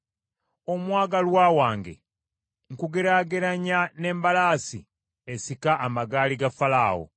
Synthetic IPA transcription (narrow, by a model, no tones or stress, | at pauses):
o̞mwaːɡalwaːwaːŋɡe̞̰ | ŋ̩kuɡeɾaːɡeɾaɲane̞ːmbalaːsḭ | esikaʔːmaɡaːliɡafala̰ːwo̰